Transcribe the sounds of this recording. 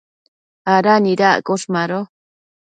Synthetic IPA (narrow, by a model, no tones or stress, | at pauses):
aɾaniɾaʔkoʂmaɾo